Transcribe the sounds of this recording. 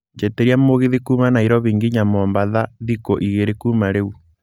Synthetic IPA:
d͡ʒeteɾiamoɣeðikumanaiɾɔβiŋɡiɲamɔːmbaðaðikoʔiɣeɾekumaɾeu

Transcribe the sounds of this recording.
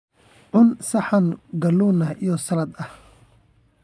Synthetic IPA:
ʕʊnsɐħɑnɡɐluːnɐhijɔsɐlɐd̪ɐh

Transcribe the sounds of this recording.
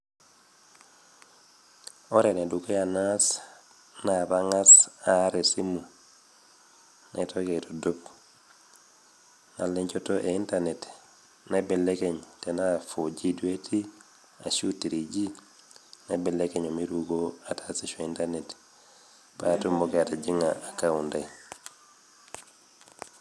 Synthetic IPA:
oɾenedukejanas | nabaŋasaɾesimu | nʔḛtʰoketodop | naleɲt͡ʃotoʔeintanet | nebelekeɲtenafod͡ʒidweti | a̰ʃutːiɾid͡ʒi | nebelekeɲomiɾuɡoatʰasiʃointanet | paatumbokeatad͡ʒiŋaakaundai

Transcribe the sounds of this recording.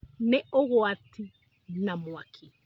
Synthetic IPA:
nɛɔɣɔatʰi | namwakʰi

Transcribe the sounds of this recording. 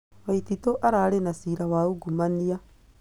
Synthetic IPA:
wɐjt̪it̪oʔɐɾaːɽenɐsiːɾɐwaːuɡumːɐnːija

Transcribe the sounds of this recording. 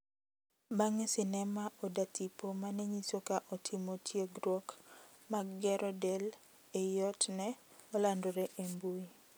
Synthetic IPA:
baŋɛsɪnɛmaʔɔdatipomanɛɲisokaʔɔtʰimotʰjeɡɾɔk | maɡːɛɾʔɔdɛl | ɛjɔtnɛ | ɔlandoɾɛʔembui

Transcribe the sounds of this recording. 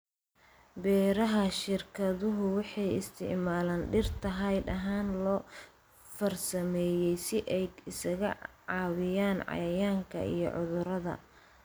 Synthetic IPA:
bɛːɾɐɦɐʃɪrkʰɐðʊɦʊwɑħɑjɪ̰st̪ʰɪ̰ʕmaːlaːnɖɪrt̪ʰɐɦɐjɗɐɦaːnlɔː | fɐrsɐmɛːjɛjsɪʔɛjɪsɐɣɐ | ʕɑːwɪjaːnʕɑ̰jɐjaːŋkʰɐ̰ḭjɞ̰ʕʊðʊɾɐðɐ̰

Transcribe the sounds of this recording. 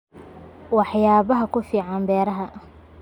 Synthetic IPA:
wɑħjaːβɐɦɐkʰʊfiːʕɑnbɛːɾɐɦɐ

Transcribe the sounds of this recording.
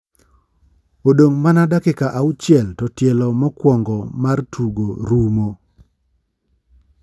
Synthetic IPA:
odoŋmanadakɪkaʔaut͡ʃɪɛltɔtjɛlɔmɔkwɔŋɡɔmartʰuɡoɾumo

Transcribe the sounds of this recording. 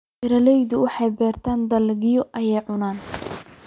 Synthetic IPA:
ʔɪɾɐlɛjðʊwɑħɑjbɛːrt̪ʰaːnd̪ɐlɣɪjɔʔɐjɛjʕʊnaːn

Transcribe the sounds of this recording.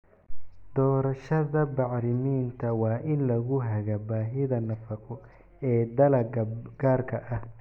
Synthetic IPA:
d̪ɔːɾɐʃɐðɐbɑʕɾɪmiːnt̪ʰɐwɑːʔɪnlɐɣʊɦɐɣɐbaːɦɪðɐnɐfɐqʰɔ | ɛːd̪ɐlɐɐɡ̥aːrkʰɐʔɐh

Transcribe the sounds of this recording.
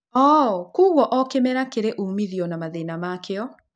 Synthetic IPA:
ɔkuɣɔʔɔkemɛɾakeɾeʔumiðiɔnamaðenamakeɔ

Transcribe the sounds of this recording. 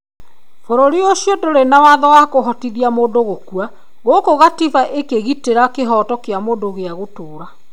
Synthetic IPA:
foɾoɾioʃiodoɾenawaðɔwakoɦɔtiðiamoːndoɣokua | ɣokoɣatifaʔekeɣiteɾakeɦɔtɔkeamoːndoɣeaɣotoːɾa

